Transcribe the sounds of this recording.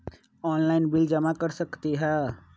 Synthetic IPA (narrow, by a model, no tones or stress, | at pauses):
ɔːnlaɪnbɪld͡ʒɐmakɐɾsɐkt̪iɦɛː